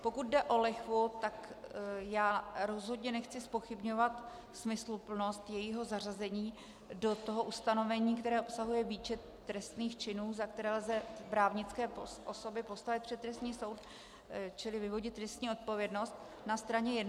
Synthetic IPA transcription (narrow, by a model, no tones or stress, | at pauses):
po̞kut̪̚dɛʔo̞lɛxvot̪akjaːɾo̞zɦo̞dɲɛnɛxt͡sɪspo̞xɪbɲo̞vat̪ | smɪslupl̩no̞st̪jɛjiɦo̞zar̝azɛɲiː | do̞t̪o̞ɦo̞ʔust̪ano̞vɛɲiːk̚t̪ɛɾɛːʔopsaɦujɛviːt͡ʃɛtː | ɾɛst̪niːxt͡ʃɪnuːzak̚t̪ɛɾɛːlzɛpɾaːvɲɪt͡skɛːpoʔoso̞bɪpo̞st̪avɪt̪̚pr̝̥ɛt̪t̪ːɾɛst̪ɲiːso̞wt̪ | t͡ʃɪlɪvɪvo̞ɟɪt̪ːɾɛst̪ɲiːo̞t̪̚po̞vjɛdno̞st̪̚ | nast̪ɾaɲɛjɛd